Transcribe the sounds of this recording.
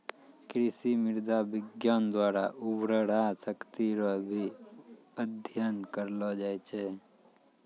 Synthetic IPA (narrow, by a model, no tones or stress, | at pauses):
kɾɪsimɪɾd̪abɪɡjaːnd̪waːɾaʔʊbɾəɽasəkt̪iɾɔbʱi | əd̪ʱjənkəɾlɔd͡ʒaːɛt͡ʃʰe